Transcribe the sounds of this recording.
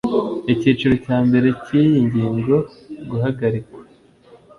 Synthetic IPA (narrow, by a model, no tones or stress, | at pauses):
iciːt͡ʃeɾo̞caːmbe̞ɾe̞ciːjiɲɟiːŋɡo̞ | ɡuhaɡaɾikwḁ